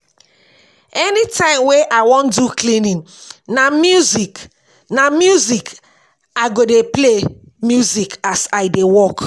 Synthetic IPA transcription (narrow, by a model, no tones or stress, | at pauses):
ɛnitʰãɪ̃mweʔaɪwɔ̃nduklĩnĩn | namjuzik | namjuzik | aɪɡodeple | mjuzikasaɪdewɔk